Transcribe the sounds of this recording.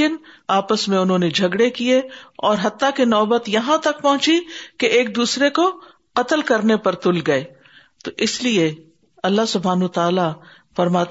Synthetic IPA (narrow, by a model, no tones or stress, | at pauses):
ɪnaːpəsmẽʊnɦõːned͡ʒʱɐɡɽekieɔːɾɦɐt̪ːakinɔːbət̪jɐɦãt̪ɐk̚pɐɦʊ̃t͡ʃikeeːk̚d̪uːsɾeko | qɐt̪əlkɐɾnepɐɾt̪ʊlɡɐeː | t̪oʔɪslie | ɐlːaɦsʊbʱaːnət̪aːla | fɐɾmaː